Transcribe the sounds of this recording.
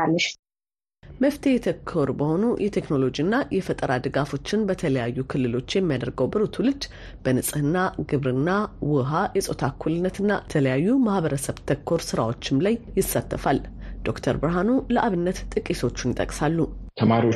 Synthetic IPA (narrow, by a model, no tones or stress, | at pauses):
alːəʃ | məft̪ʰe̞jɛt̪ʰəkʰːo̞ɾubəho̞nujʔɛt̪ʰekno̞lo̞d͡ʒiɨnːajʔɛfət̪ʼəɾad̪ɨɡafo̞t͡ʃːɪnbət̪ʰələjajːukʰɨlːɨlo̞t͡ʃːjɛmːijad̪əɾɡəwbɨɾut̪ʰulɨd͡ʒ | b̥ənɨsʼɨhɨnːaɡɨβɾɨnːawʊɦajɛsʼo̞t̪ʰakʰːulɨnːət̪ʰɨnːat̪ʰələjajːumahβəɾəsəβt̪ʰəkʰːo̞ɾsɨɾawo̞t͡ʃːɪmlajːɪsːat̪ʰːəfald̪o̞kt̪ʰəɾbɾɦanuləʔaβɨnːət̪t̪ʼɨkʼːiso̞t͡ʃːunɪt̪ʼə̰kʼsalːut̪ʰəmaɾio